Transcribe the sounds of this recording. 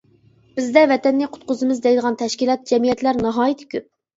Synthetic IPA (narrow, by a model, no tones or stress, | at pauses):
b̥ɪzd̪ɛvɛt̪ɛnːɪqʰʊ̥t̪̚qʊzɨmɨzd̪ɛjd̪əʁɑnt̪ʰɛʃkʲilˠɑt̪̚d͡ʒɛmijɛt̪læɾnɑɦɑːjit̪ʰɪ̥kʲʰøp̚